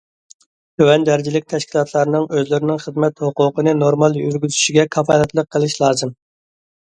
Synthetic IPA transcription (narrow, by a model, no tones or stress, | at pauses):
t̪ʰøwɛnd̪æɾd͡ʒilɪk̚ʲt̪ʰɛʃkʲʰilˠɑt̪ʰlˠɑɾnɨŋøzlɪɾɪnɪŋχəd̪mɛt̪hʊqʊqənɨnoɾmɑlˠjyɾɡʲyzyʃiɡʲɛkʰɑfɑlɛt̪lˠəqʰːəlˠɪʃlˠɑːzɨm